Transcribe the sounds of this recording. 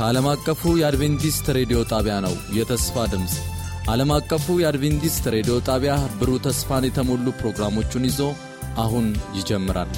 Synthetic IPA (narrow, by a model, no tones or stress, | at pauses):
kʰəaləmakʼːəfujɛad̪ve̞nt̪ist̪ɾe̞d̪ijo̞t̪ʼaβjanə̰wjɛt̪ʰəsfad̪ɨms | ʔaləmakʼːəfujɛad̪ve̞nt̪ist̪ɾe̞d̪ijo̞t̪ʼaβjabɨɾut̪ʰəsfanjɛt̪ʰəmolːupɾo̞ɡɾamo̞t͡ʃːunɪzo̞ | ʔaɦunjɪd͡ʒɛmːɨɾa̰l